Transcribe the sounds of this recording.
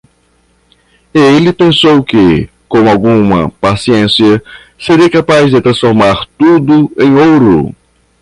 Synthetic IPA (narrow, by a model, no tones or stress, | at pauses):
elɪpẽsowkɪ | kõw̃awɡũmɐ̰pasiẽsiɐ | seɾiɐkapazd̪ɪt̪ɾɐ̃sfoɾmaɾt̪ud̪ʊẽj̃owɾʊ̰